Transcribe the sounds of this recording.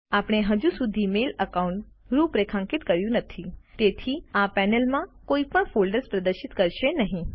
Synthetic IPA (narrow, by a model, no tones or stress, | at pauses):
apɽ̃eɦəd͡ʒũsud̪ʱimeləkaũɳʈ | ɾũpɾekʰãŋkɪt̪kəɾjũnət̪ʰit̪et̪ʰiapɛnəlmãkoipəɳfolɖəɾspɾəd̪əɾʃɪt̪kəɾʃenəɦĩ